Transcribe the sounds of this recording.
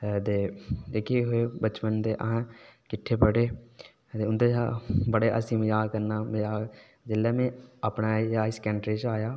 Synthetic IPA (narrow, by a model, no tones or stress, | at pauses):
t̪eːd̪eːkʰeɦoebət͡ʃpənt̪eʔəɦãkɪʈʰːepəɽeː | t̪eʊnt̪eabəɽeʔə̰simjaːkəɾnaːmɪjaː | d͡ʒɪlːeːmẽəpnaaːɪskɛ̃ːɳʈɾet͡ʃaːjaː